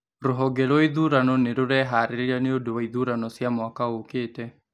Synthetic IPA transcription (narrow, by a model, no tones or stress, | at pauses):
ɾoɦɔɡɛɾɔiðuɾanɔneɾoɾɛɦaɾeɾiɾaneodowaiðuɾanɔsjamɔakaokeːtɛ